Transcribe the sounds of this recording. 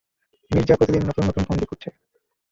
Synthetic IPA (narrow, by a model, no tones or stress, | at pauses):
miɾd͡ʑapɾot̪ʰid̪innɔt̪onːɔt̪onkɔnd̪ikoɾt͡ɕʰe